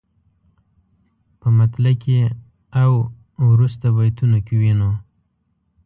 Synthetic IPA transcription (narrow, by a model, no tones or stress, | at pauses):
pəmat̪lake | aw | wɾust̪abajt̪unokeweno